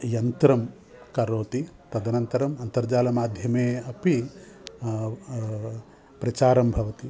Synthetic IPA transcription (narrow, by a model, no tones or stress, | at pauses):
jɐnt̪ɾɐm | kɐɾoːt̪i | t̪ɐd̪ɐnɐnt̪ɐɾɐmɐnt̪ɐɾd͡ʒaːlɐmaːd̪ʱjɐmeːɐpi | pɾɐt͡ʃaːɾɐmbʱɐʋɐt̪i